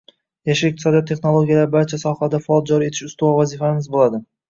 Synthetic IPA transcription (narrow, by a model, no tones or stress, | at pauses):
jaʃɪɪq̪̚ɪsɒd̪ijɒt̪ʰːe̞χnolˠoɡʲijalaɾbaɾt͡ʃʰasɒhad̪afɒlˠd͡ʒɒɾie̞t̪ʰɪ̥ʃʊst̪uɒvazɪfamɪzbolˠad̪ɪ